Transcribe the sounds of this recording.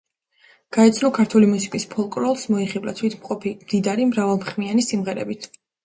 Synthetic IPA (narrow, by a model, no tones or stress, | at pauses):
ɡ̥aɛt̪sʰnɔkʰaɾt̪ʰulimusi̥kʼispʰɔlˠkʼɾɔlˠsmɔiχibla̰t̪ʰwit̪ʰmqʼɔpʰimd̪id̪aɾimɾavalˠmχmianisimʁɛɾɛ̰bit̪ʰ